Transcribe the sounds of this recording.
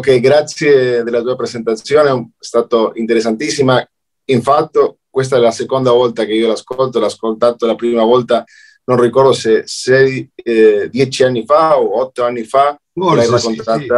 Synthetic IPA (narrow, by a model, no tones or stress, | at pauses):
keɡɾat̪sjed̪elːat̪uːapɾezent̪at̪sːjoːnest̪aːt̪oint̪eɾes̬ːant̪isːima | iɱfat̪ːokwest̪aɛlasekond̪avɔlt̪akeiolaskolt̪olaːskolt̪aːt̪olapɾiːmavɔlt̪a | nonrikɔrd̪osesɛj | d̪jɛt͡ʃianːifaoɔt̪ːoanːifa | lajrakːont̪at̪a